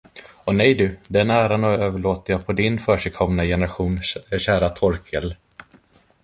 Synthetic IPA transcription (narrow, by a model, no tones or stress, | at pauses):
ɔnɛjd̪ɵd̪ɛnæːɾanɔːøːvəɭoːt̪əjaːpʰɔd̪ɪnfœːʂɛkʰɔmnajɛnəɾaɧuːnɕæːɾat̪ʰɔɾkʰəl